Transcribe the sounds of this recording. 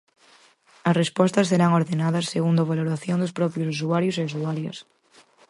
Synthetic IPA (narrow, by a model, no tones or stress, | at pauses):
ɐsrespɔst̪ɐsːeɾaŋoɾðenaðasːeɣund̪oβ̞aloɾaθjond̪ospɾɔpjosusuaɾjoseus̬uaɾjo̰s